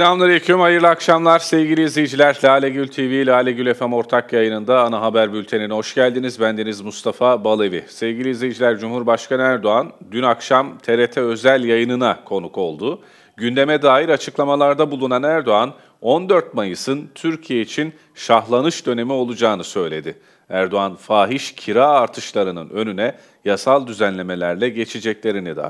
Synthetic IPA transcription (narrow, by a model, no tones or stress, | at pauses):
slamlˠaɾɯecʰymajɯɾlˠɯakʃamlˠaɾsɛvɟilʲiːzlʲijd͡ʒilʲæɾlʲaːlʲeɟylʲt̪ʰivilʲaːlʲɛɟylʲefæmo̞ɾt̪ʰakjajɯnɯnd̪aːnaɦabæɾbylʲt̪ʰe̞ninho̞ʃɟælʲd̪inizbænd̪enizmust̪ʰafabalˠevḭsɛvɟilʲizlʲijd͡ʒilʲæɾd͡ʒumhuɾbaʃkʰanɯæɾd̪o̞and̪ynakʃamt̪ʰe̞ɾet̪ʰɛø̞zælʲjajɯnɯnakʰo̞nuko̞lˠd̪u | ɟynd̪e̞mɛd̪aːjiɾat͡ʃʰɯklˠamalˠaɾd̪abulˠunanæɾd̪o̞an | o̞nd̪ø̞ɾt̪̚majɯsɯnt̪ʰyɾcʰijeit͡ʃʰin | ʃaɦlˠanɯʃd̪ø̞ne̞mio̞lˠud͡ʒaːnɯsø̞jlʲe̞d̪ɪ | æɾd̪o̞anfaːɦiʃcʰiɾaːɾt̪ʰɯʃlˠaɾɯnɯ̰nø̞nynɛ | jasalˠd̪yzænlʲe̞me̞lʲæɾlʲɛɟe̞t͡ʃʰid͡ʒɛclʲe̞ɾinid̪a̰ː